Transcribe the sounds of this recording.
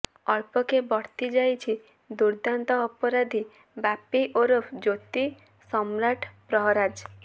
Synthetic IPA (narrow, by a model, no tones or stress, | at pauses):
ɔɭpɔkebɔɽ̤t̪id͡ʒajt͡ʃʰi | d̪uɾd̪ant̪ɔːpɔɾad̪ʱi | bapiʔoɾɔpʰd͡ʒot̪i | sɔmɾaʈʰpɾɔɦɾad͡ʒ